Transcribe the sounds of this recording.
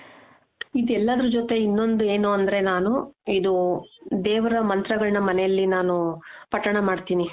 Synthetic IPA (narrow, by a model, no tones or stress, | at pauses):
id̪ɛlːaːd̪ɐɾud͡ʒot̪e̞inːo̞nd̪ue̞ːnuɐnd̪ɐɾe̞naːnuid̪ud̪eːʋɐɾɐmɐnt̪ɾɐɡɐɭnɐmɐnɛjɐlːinaːnupɐʈːɐɳɐmaːɖt̪iːni